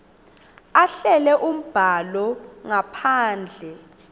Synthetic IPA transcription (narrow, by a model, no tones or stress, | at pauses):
aɬɛlɛʔum̩b̥ʱalɔŋapʰaːnd͡ɮʱɛ